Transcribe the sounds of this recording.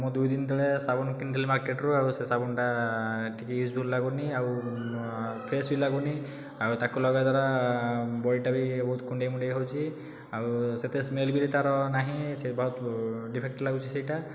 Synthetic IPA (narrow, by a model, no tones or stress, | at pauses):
mɔ̃d̪ujd̪ind̪ʱiɭesabɔnkinʈilimaɾkeʈɾuausesabɔnʈaʈʰikiusbʱullaɡuniaw | pʰɾesbilaɡuni | aut̪akulɔɡɔd̪aɾa | bɔɽiʈabibɔɦut̪kuɳɖejmuɳɖejɦowt͡ʃʰi | auset̪esmelbiɾet̪aɾɔnaɦĩsebɔɦut̪ɖipʰek̚ʈlaɡut͡ʃʰisejʈa